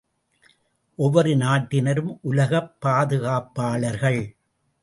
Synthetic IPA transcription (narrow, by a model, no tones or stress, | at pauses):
ʔɔʋːɐɾɯnaːʈːɪnɐɾɯmʔʊlɐɣɐpːaːðɯɣaːpːaːɭɐɾɣɐɭ